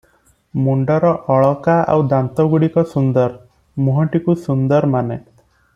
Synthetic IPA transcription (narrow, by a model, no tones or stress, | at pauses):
muɳɖɔɾɔʔɔɭɔkaa̰wd̪ant̪ɔɡuɽikɔsund̪ɔɾ | muɦɔɳʈikusund̪ɔɾmane